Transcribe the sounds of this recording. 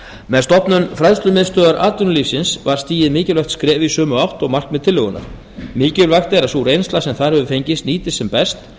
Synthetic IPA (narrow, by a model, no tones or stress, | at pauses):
mɛðst̪ɔpnʏnfɾajðst̪lʏmɪðst̪œːðaɾʔaːt̪ʏnʏlifsɪnsvaɾ̥st̪iːjɪðmɪːcɪlœxt̪skɾɛːvɪisœːmʏawht̪ɔɣmar̥knmɛðt̪ʰɪlʏɣʏna̰ɾ̥ | mɪːcɪlvajxt̪ɛɾasurejnst̪lasɛmθaðɾhœvʏfejɲcɪst̪niːt̪ɪsɛmpɛst̪